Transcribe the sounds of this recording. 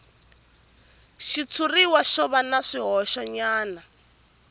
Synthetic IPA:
ʃit͡sʰuriwaʃɔβanaʂiɦɔʃɔɲaːna

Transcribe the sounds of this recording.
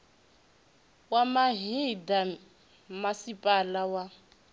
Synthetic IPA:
wamaɦida | masipʼalawa

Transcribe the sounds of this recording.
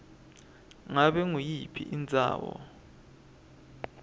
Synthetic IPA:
ŋaɓɛŋujipʰiʔind͡zʱa̰ːwɔ̰

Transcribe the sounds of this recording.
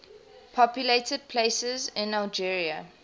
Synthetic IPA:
pʰɔpjuleɪtəd̚pʰl̥esəzɪ̃nalˠd͡ʒiɹiə

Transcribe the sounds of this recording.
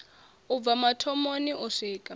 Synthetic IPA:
ub̪vamatʰɔmoniʔuʂiːkʼa

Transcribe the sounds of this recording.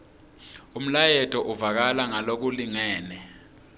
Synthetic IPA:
um̩lajɛtʰʼɔʔuvak̬alaŋalok̬uliŋɛːnɛ

